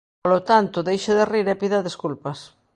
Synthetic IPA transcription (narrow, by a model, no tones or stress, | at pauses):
polot̪ant̪oðejʃeðeriɾepiðaðeskulpas